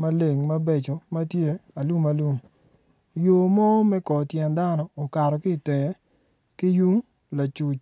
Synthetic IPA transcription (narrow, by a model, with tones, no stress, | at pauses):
ma˦le˨ŋmɐ˦be˦t͡ʃo˨mɐ˦tje˦a˨lu˦ma˦lu˦m | jo˨mɔ˦mɛ˦kɔ˨tjɛ˨nda˦nɔː˨ka˨ɾɔ˨ki˦˨te˨ŋe˦ | ki˦ju˦ŋ | la˨t͡ʃu˨t͡ʃ